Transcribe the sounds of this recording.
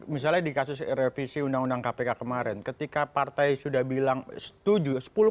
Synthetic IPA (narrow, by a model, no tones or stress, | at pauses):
mis̬alɲadikasʊsɛ̰ɾɛfisiundaŋundaŋkapekakəmaɾɛnkət̪ikapart̪ajsudahbilaŋsə̥t̪ud͡ʒusə̥pulʊ